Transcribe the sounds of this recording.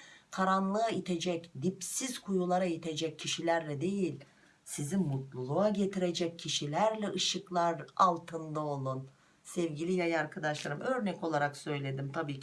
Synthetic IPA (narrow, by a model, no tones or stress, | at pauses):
kʰaɾanlˠɯait̪ʰe̞d͡ʒɛcd̪ipsiz̥kʰujulˠaɾajit̪ʰe̞d͡ʒɛcʰːiʃilʲæɾlʲɛd̪e̞jilʲ | sizimːut̪lˠulˠuaɟe̞t̪ʰiɾe̞d͡ʒɛc̚ʰːiʃilʲæɾlʲɛʔɯʃɯklˠaɾalˠt̪ʰɯnd̪ao̞lˠun | sɛvɟilʲijajaɾkʰad̪aʃlˠaɾɯmʔø̞ɾnɛco̞lˠaɾaksø̞jlʲe̞d̪imt̪ʰabiːc